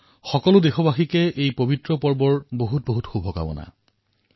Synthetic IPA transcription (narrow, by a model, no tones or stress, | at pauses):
xɔkɔlʊdexɔbaxikɛʔejpobitɹɔpɔɹbɔɹboɦut̚boɦutxubʱɔka̰bɔ̰na̰